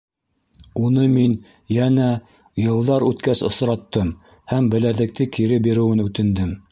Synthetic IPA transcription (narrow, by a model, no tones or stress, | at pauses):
unɤmin | jænæ | jɤ̆lˠd̪ɑɾʉt̪kæsŏsɾɑt̪ːɤm | hæmbɘ̆læðlɘ̆k̚t̪ɘkʰiɾɘbiɾɘ̆wɘnʉt̪ɘ̆nd̪ɘm